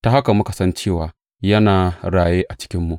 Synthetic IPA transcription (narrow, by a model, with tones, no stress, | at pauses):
ta˨ɦa˦ka˨mʊ˦ka˨sɐ˦nt͡ʃeː˦˨waː˨ | jɐ˦naː˨ɽaː˨jeː˦ʔa˨t͡ʃɪ̥˦kʲɪ˦mːu˨ʔ